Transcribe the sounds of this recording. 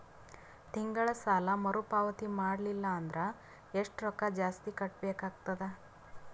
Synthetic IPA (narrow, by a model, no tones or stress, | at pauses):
t̪iŋɡɐɭɐsaːlɐmɐɾupaːʋɐt̪imaːɽlilːɐːnd̪ɐɾe | eʂʈɾɔkːɐd͡ʒaːst̪ikɐʈbeːkaːɡ̚t̪ɐd̪e